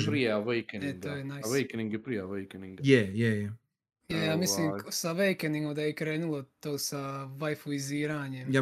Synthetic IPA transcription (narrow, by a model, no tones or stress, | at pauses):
pɾijeaʋejkeneŋtɡ̪oːjenajʋejkeniŋɡepɾijaʋejkeniŋɡjɛjɛjɛ | jajaːmisliːmsaʋejkeniŋɡomd̪ajekɾeːnulˠot̪oːsaʋajfuiziːɾaːɲemjaː